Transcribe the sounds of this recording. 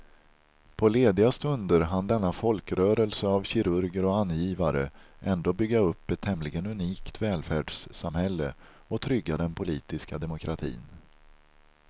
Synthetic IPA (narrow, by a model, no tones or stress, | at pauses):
pʰɔleːd̪ɪast̪ɵnd̪əɾɦand̪ɛnːafɔlkɾœːɾəlsəavɕɪɾɵɾɡəɾɔanːjiːvaɾəʔɛnd̪oːbʏɡːaɵpːɛt̪ʰːɛmlɪɡənɵniːkt̪vɛːlfæːɖʂsamhɛlːə̰ | ɔt̪ʰɾʏɡːad̪ɛnpʰʊliːt̪ɪskad̪ɛmʊkʰɾat̪ʰḭːn